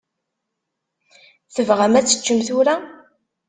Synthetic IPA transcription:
θəvʁəmæt͡sːə̥t͡ʃːəmθʊɾa

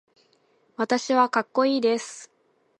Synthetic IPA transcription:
βat̪aɕiβakakːo̞iːd̪e̞sɨ̥

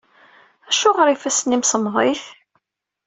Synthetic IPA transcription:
æʃʊʁəɾifæsənːimsəmðˤɪθ

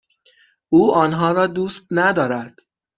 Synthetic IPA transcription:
ʔuːɒːnɦɒːɾɒːd̪uːst̪̚næd̪ɒːɾæd̪̥

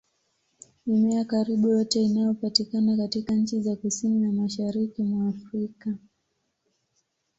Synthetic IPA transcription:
imɛakaɾiɓujɔtɛinajɔpatikanakatikaɲ̩t͡ʃizakusininamaʃaɾikimwaːfɾika

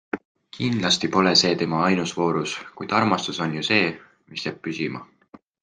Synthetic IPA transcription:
kʰind̪lɑst̪ipo̞le̞se̞ːt̪e̞mɑɑjnusvo̞ːɾuskujd̪̥ɑrmɑst̪uso̞njuse̞ː | misjæb̥̚pysimɑ̰

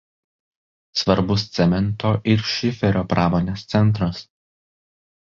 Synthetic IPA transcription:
sʋɐɾbʊs̬t̪sʲɛmʲɛnˑt̪oːʔɪɾʃʲɪfʲɛɾʲoːpɾʔɑːmoːnʲeːst̪sʲɛnˑt̪̬ɾɐs

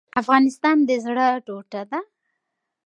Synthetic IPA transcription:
afɣɑnɪst̪ɑnd̪əzɽəʈoʈad̪a

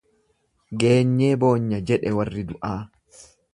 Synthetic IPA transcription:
ɡe̞ːɲːeːbo̞ːɲːɐd͡ʒɛᶑɛwɐrːɪd̪ʊʔaː

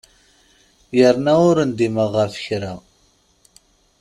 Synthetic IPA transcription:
jəɾnæʊɾənd̪iməʁəfə̥çɾa

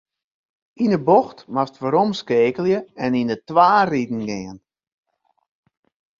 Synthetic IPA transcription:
inəboxtmastʋaɾɔmskeːkəljəɛninətʋaːridn̩ɡɪən

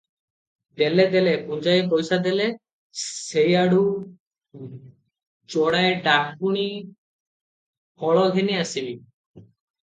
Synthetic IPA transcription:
d̪eled̪elepund͡ʒajepojsad̪ele | sejaɽu | t͡ʃɔɽ̃aeɖakuɽ̃i | hɔɭɔɡʱeniasibi

